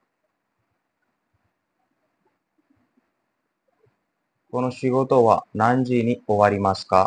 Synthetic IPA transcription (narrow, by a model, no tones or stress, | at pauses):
ko̞no̞ɕiɡo̞t̪o̞βa̰nãɲ̟d͡ʑiɲ̟io̞βaɾʲimasɨ̥ka